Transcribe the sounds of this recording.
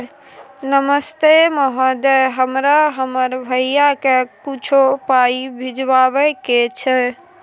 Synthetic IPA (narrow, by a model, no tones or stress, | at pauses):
nəməst̪eməɦəd̪eɦəmɾaɦəməɾbʱəijakekut͡ʃʰopaibʱid͡ʒbabɛket͡ʃʰɛ